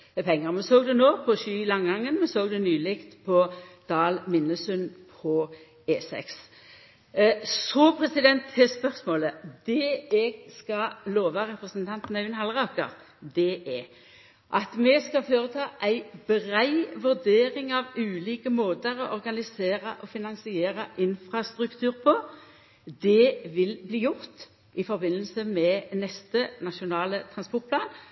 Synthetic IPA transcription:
pʰɛŋːəʁmɛsoːɡd̪ɛnoːpʰɔʃyːlɑŋɡɑŋːənmɛsoːɡd̪ɛnyːlɪkt̪pʰɔd̪̥ɑːlmɪnːəsʉnpʰɔ | eːsɛ̰ks | sɔpʰɾɛsɪd̪ɛnt̪ʰːɛspœʁsmoːləd̪ɛɛɡskɑloːʋɑʁɛpʁəsənt̪ʰɑnt̪n̩œɪnhɑlʁɑːkə̰ʁ | d̪ɛʔɛ | ʔɑt̪mɛskɑføːʁət̪ʰɑːʔæɪbʁæɪʋʉʁd̪eːʁɪŋɑʋʉːliːkəmoːd̪əɾɔʔɔʁɡɑnɪseːʁəʔɔfɪnɑnsɪeːʁəʔɪnfʁɑst̪ʁʉkt̪ʰʉːʁpʰɔ | d̪ɛʋɪlbliːjʊʁt̪ | ʔɪfɔbɪnːəl̩səmɛnɛst̪ənɑʃʊnɑːlət̪ʰʁɑnspɔʁt̪̚pʰlɑːn

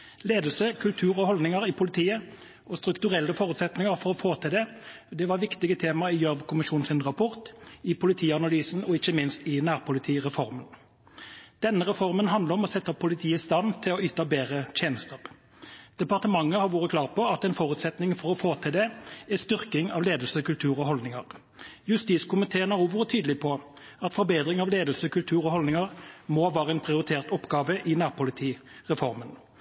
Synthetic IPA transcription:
leːd̪l̩səkʰʉlt̪ʰʉːʁɔhɔld̪nɪŋəʁɪpʰʊlɪt̪ʰiːə | ʔɔst̪ʁʉkt̪ʉʁɛlːəfoːʁʉt̪sɛt̪nɪŋəʁfɔʁɔfoːt̪ʰɪld̪ɛd̪ɛʋɑʁʋɪkt̪ɪɡət̪ʰeːmɑɪjœʋkʰʊmɪʃuːn̩sɪnʁɑpʰɔʁt̪ɪpʰʊlɪt̪ʰiːɑnɑlyːsn̩ɔɪçəmɪnst̪ɪnæːʁpʊlɪt̪ʰiːʁɛfɔʁmən | d̪̥ɛnːəʁɛfɔʁmənɦɑnd̪ləʁɔmɔsɛt̪ːəpʰʊlɪt̪ʰiːəst̪ɑnt̪ʰɪlɔyːt̪ɑbeːʁət̪ʰeːnəst̪əʁ | d̪̥ɛpɑʁt̪əmɑŋːəhɑɾʋuːʁəkʰlɑːʁt̪̚pɔɑt̪ɛnfoːʁʉːt̪sɛt̪nɪŋfɔʁɔfoːt̪ʰɪld̪ɛɛst̪ʏʁkɪŋɑ̰ːʋleːd̪l̩səkʉlt̪ʰʉːʁɔɦɔld̪nɪŋɑ̰ʁ | jʉst̪iːskʊmɪt̪ʰeːnɑuːʋʊt̪ʰyːd̪əlɪpʰɔ | ɑt̪fɔɾbeːd̪ʁɪŋɑʋleːd̪əl̩səkʰʉlt̪ʰʉːʁɔhɔlnɪŋɑʁmoːʋæːʁəɛnpʰʁɪʊɾɪt̪ʰeːʁt̪ɔpːɡɑːʋəʔɪnæːʁpʊlɪt̪ʰiːʁɛfɔɾmən

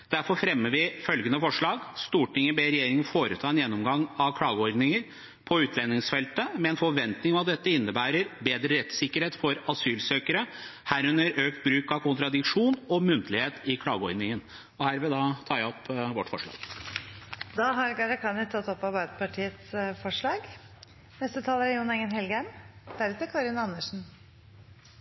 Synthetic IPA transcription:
d̪̥æɾfɔɾfɾɛmːəʋɪfœlɡənəfɔʂɭɑːɡst̪uːʈɪŋːəbeɾɛjeːɾɪŋənfoːɾət̪ʰɑːɛnjɛnːɔmɡɑŋːɑʋkʰlɑːɡəɔɾd̪nɪŋəɾ | pʰɔʉːt̪ʰlɛnːɪŋsfɛlt̪əmɛɛːnfɔʋɛnt̪nɪŋɔmɑt̪̚d̪ɛt̪ːəɪnːəbæːɾəɾbeːd̪ɾəɾɛt̪sɪkːəɾheːt̪fɔɾɑsyːlsøːkəɾəhæːɾʉnːəɾøːkt̪̚bɾʉːkɑʋkʊnt̪ɾɑd̪ɪkʂuːnɔmʉnt̪əlɪheːt̪ɪkʰlɑ̰ːɡəɔʏnɪŋən | ɔhæːɾʋɛd̪ɑt̪ʰɑːɾjæɔpːʋɔʈːfɔʂɭɑ̰ːɡ̥ | d̪ɑːɦɑɾɡɑɾɑkʰɑːnət̪ʰɑt̪ːɔpːɑɾbæɪd̪əpɑʈʰiːət̪sfɔʂɭɑːɡ | nɛst̪ət̪ʰɑːləɾæjuːnɛŋːənɦɛlɡæmd̪̥æɾʉːt̪əkʰɑɾɪnɑnːəʂn̩

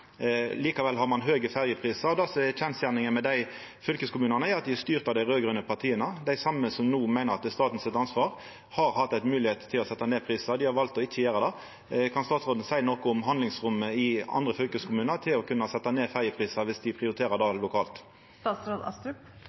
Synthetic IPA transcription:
liːkɑʋɛlɦɑʁmɑnɦøːɡəfæʁjəpʰʁiːsɑɾɔd̪ɑːsɔçʰɛnsjæʁnɪŋənmɛd̪æɪ | fʏlkəskʊmʉːnənəɑt̪̚d̪ɪhɛst̪yːʁt̪ɑd̪æɪʁøːɡɾʉnəpʰɑʁt̪ʰiːənəd̪æɪsɑmːəsɔmnuːmæɪnəɾɑt̪̚d̪ɛst̪ɑːt̪n̩sɪt̪ɑnsʋɑːʁ | hɑɾhɑt̪ːæɪt̪mʉːlɪheːt̪t̪ʰːɪlɔsɛt̪ːɑneːpʰʁiːsɑd̪ɪhɑɾʋɑlt̪ɔɪçːəjæːɾəd̪ɑ | kʰɑnst̪ɑːt̪sʁoːd̪ən̩sæɪnɔkɔʊmɦɑnd̪lɪŋsʁʊməɪɑ̰nd̪ʁəfʏlkəskʰʊmʉːnəʁt̪ʰɪlɔkʰʉnːɑsɛt̪ːɑneːfæʁjəpʰɾiːsɑʋɪsd̪ɪpʰʁɪʊɾɪt̪ʰeːɾəd̪ɑlʊkʰɑːlt̪ | t̪ɑːsɾod̪ɑ̰st̪ʉp

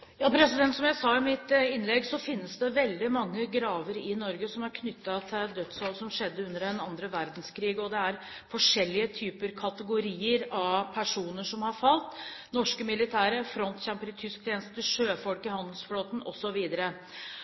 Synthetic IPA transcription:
jɑːpʰɾɛsɪd̪ɛnt̪sɔmjæɪsɑːɪmɪt̪ɪnlɛɡsɔfɪnːəsd̪ɛʋɛld̪ɪmɑŋːəɡɾɑːʋəɾɪnɔɾɡəsɔmhɑɾkʰnʏt̪ːɑt̪ʰɪd̪œt̪sɑlsɔmʂɛd̪ːəʉnːəɾɛnɑnd̪ɾəʋæɾd̪n̩skʰɾiːɡɔd̪ɛæɾ | fɔʂɛlːɪət̪ʰyːpəɾkʰɑt̪əɡʊɾiːəɾɑʋpʰæʂuːnəʂɔmhɑɾfɑlt̪nɔʂkəmɪlɪt̪ʰæːɾəɾfɾɔnt̪ɕɛmpəɾɪt̪ʰʏsk̚t̪ʰjeːnəst̪ət̪ʰɪʂøːfɔlkɪhɑnd̪əlsfloːt̪n̩ɔsɔʋiːd̪əɾə

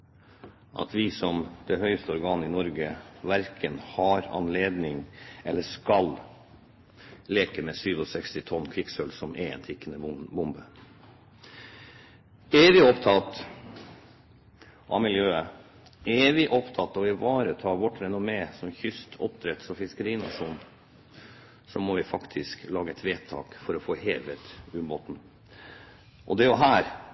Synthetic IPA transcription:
ʔɑ̰t̪ʰʋɪsɔmd̪̥ɛhœʏst̪əɔɾɡɑːnɪnɔɾɡəʋæɾkʰənhɑːɾɑ̰nleːd̪nɪŋɛlːəʂkɑl | leːkəmɛsyːʋɔsɛkst̪ɪt̪ʰɔnːkʰɾɪksœlsɔmʔɛɛ̰ːnt̪ʰɪkːənəbʊmbə | eːʋɪɔpt̪ʰɑt̪ | ʔɑ̰ʋmɪljøːə | ɛʋɪʔɔpt̪ʰɑt̪ːɔɪʋɑːɾət̪ʰɑːʋɔʈɾɛnʊmeːsɔmçʏst̪ʰɔ̰p̚d̪ɾɛt̪sɔfɪskəɾiːnɑ̰ʂuːn | sɔmɔʋɪfɑkt̪ʰɪsklɑːɡəɛt̪ʋeːt̪ʰɑ̰ːkfɔɾɔfoːheːʋət̪ʉbɔt̪n̩ | ʔɔd̪ɛjʊɦæːɾ

